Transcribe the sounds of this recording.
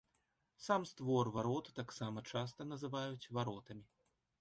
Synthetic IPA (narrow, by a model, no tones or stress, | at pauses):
samst̪vɔrvaɾɔt̪t̪aksamɐt͡ʂast̪ɐnɐzɨvajut͡sʲvaɾɔt̪ɐmʲi